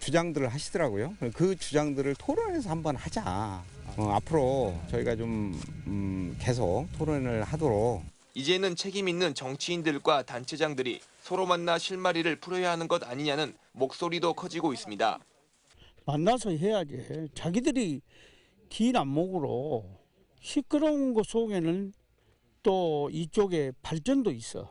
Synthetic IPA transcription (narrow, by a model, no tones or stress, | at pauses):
t͡ɕud͡ʑaŋdɯɾɯɭɦaɕʰidʌɾaɡojokɯt͡ɕud͡ʑaŋdɯɾɯɭtʰoɾɯnesʰʌhambʌnhad͡ʑa | ʌa̰pʰɯɾot͡ɕʌiɡat͡ɕom | ke̞s̬ʰʌktʰoɾʌnɯɭhadʌɾok̚ | id͡ʑe̞nɯnt͡ɕʰe̞ɡiminːɯnt͡ɕʌŋt͡ɕʰiːndɯɭɡwatant͡ɕʰe̞d͡ʑaŋdɯɾḭ | sʰʌɾomanːaɕʰiɭmaɾiɾɯɭpʰuɾʌjaɦanɯnɡʌdaɲiɲanɯn | mok̚s͈oɾidokʰʌd͡ʑiɡois͈ɯmɲida̰ | manːasʰʌɦe̞jaɡet͡ɕaɡidɯɾi | kinamːoɡɯɾo̰ | ɕʰik͈ɯɾʌunɡʌs͈ʰoŋe̞nɯn | t͈oit͡ɕ͈oɡe̞paɭt͡ɕ͈ʌndois͈ʌ̰